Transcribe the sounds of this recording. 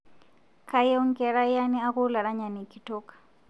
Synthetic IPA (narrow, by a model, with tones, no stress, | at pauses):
kʰa˦jɔ˦ŋ̩˦kʼɛ˨ɺa˦ja˦ni˦a˦ɣʊ˦la˨ɺa˦ɲa˨ni˨ki˨tʰɔːkḁ˨